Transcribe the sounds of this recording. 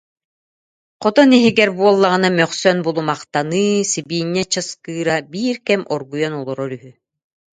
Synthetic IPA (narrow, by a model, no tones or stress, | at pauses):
qɔt̪ɔniɦiɡɛɾbuɔlˠːaʁɯnamœχsœnbulˠumaqt̪anɯːsibiːnːɛt͡ɕɯskɯːɾabiːɾkɛmʔɔɾɡujɔnɔlˠɔɾɔɾyɦy